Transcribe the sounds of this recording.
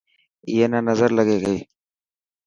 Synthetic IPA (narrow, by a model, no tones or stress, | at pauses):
jeːnaːnɐzəɾləɡeːɡəiː